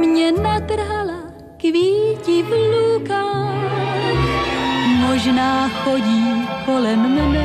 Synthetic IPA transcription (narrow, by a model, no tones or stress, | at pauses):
mɲɛnat̪r̩ɦala | kviːcɪvluːkaː | moʒnaːxoɟiːmkolɛmːnɛ